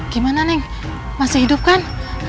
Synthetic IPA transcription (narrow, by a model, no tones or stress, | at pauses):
ɡ̥imananɛŋ | masɪɦidup̚kan